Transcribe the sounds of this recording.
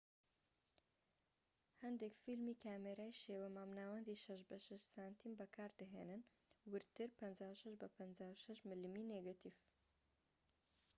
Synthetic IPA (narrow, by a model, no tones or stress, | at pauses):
hɐnd̪ekfilmiːkʰaːmeɾaːjʃeːwɛmaːmnaːwɐnd̪iʃɐʃbɐʃɐʃsaːnt̪ʰiːmbɐkʰaːɾd̪ɐɦeːnɨn | wɨɾt̪ɨɾpɐnd͡ʒaːwʃɐʃbɐpʰɐnd͡zaːwʃɐʃmɨlɨmiːneɡat̪ʰiːf